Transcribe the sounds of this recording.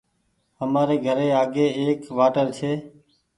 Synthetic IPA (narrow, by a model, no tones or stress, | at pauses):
ɦəmaːɾeːɡʱəɾeːaːɡeːeːkʋaːʈəɾt͡ʃʰeː